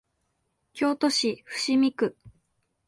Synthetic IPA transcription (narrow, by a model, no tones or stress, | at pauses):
kʲo̞ːt̪oɕiɸɯ̟̥ɕimʲikɯ̟